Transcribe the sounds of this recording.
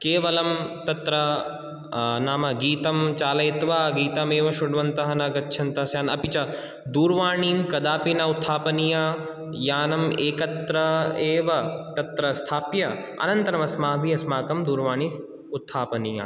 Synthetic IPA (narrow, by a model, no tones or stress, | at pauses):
keːʋɐlɐmt̪ɐt̪ɾɐ | naːmɐɡiːt̪ɐmt͡ʃaːlɐjit̪ʋaːɡiːt̪ɐmeːʋɐʃʊɽʋɐnt̪ɐɦɐnɐɡɐtːʃʰɐnt̪ɐsjaːnɐ̰pit͡ʃɐ | d̪uːɾʋaːɳ̃iːmkɐd̪aːpinɐut̪ʰːaːpɐnija | jaːnɐmeːkɐt̪ɾɐeːʋɐt̪ɐt̪ɾɐst̪ʰaːpjɐ | ɐ̰nɐ̃nt̪ɐɾɐmɐsmaːɦbiɐsmaːkɐmd̪uːɾʋaːɳ̃i | ut̪ʰːaːpɐnija̰ː